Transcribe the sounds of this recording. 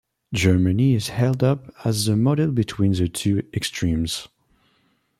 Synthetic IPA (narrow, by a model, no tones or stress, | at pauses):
d͡ʒɜ˞mɨniɪz̥hɛlˠdʌpəzəmɔɾɛlˠbɨtʰw̥ĩnðɨtʰʉɛkstʰɹ̥ĩmz̥